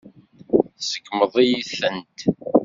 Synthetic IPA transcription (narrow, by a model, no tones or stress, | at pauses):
sə̥kːməðˤijiθənt̪